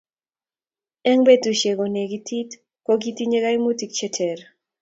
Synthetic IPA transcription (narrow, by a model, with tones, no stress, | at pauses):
ɛ˦ŋbe˦tu˨ʃe˨ɣo˨ne˨ɡi˨tʰi˦t | ko˦ɡi˦ti˦ɲe˦ɣa˦jmu˦ti˨kt͡ʃɛ˦tʰɛ˨ɾ